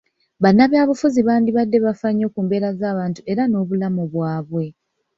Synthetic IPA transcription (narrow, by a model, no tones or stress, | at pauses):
βanːaβjaːβufuziβaːndiβadːe̞βafaɲːo̞ːkuːmbe̞ːɾazaːβaːntue̞ɾano̞ːβulamuβwaːβwe̞